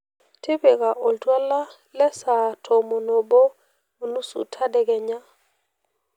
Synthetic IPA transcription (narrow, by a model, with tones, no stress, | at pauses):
te˦be˨ka˨ʔo˨ltwa˦la˦ | lɛ˦sa˨tʰo˨mo˨no˨bo˦ | mo˨nu˦sṵ˨tʰa˦dɛ˨ɡɛ˨ɲa˦